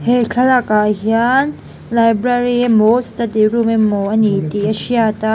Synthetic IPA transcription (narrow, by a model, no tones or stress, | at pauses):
hekʰɐlakaɦian | lajbɾaɾiemostadiɾumemːoʔɐnitiɐʃiata